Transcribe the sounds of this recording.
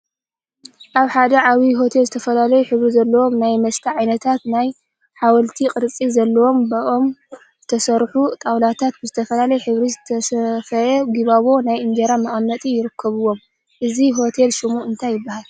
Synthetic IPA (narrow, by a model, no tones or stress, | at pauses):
ʔaβħad̪ɐʕawiɦo̞t̪ʰe̞lzɨt̪ʰɐfɐlalɐjuħɨβɾizɐlːɐwo̞mnajmɐst̪ʰɐʕajnɐt̪ʰat̪naj | ħawɐlt̪ʰiqʼɨɾt͡sʼizɐlːɐwo̞mbɐʔo̞m | z̥ɨt̪ʰɐsɐɾħut̪ʼawlat̪ʰat̪bɨzɨt̪ʰɐfɐlalɐjɛħɨβɾizɨt̪ʰɐsfɐjɛɡiβaβo̞najɨnd̪eɾamɐʔʼmːɐt̪ʼijɪɾɨkʰːɐβɨwo̞m | ʔɨziɦo̞t̪ʰe̞lʃɪmuɨnt̪ʰajːɪbːahal